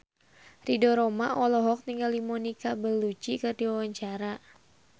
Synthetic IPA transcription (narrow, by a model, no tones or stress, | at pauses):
ridɔɾɔmaʔɔlɔɦɔk̚niŋɡalimɔnikabəlːut͡ʃikɨrdiwawaɲt͡ʃaɾa